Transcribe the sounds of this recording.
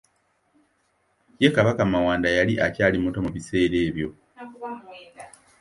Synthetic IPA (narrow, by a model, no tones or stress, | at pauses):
je̞kaβakamawaːndajaliʔacaːlimutomuβise̞ːɾe̞ːβjo̞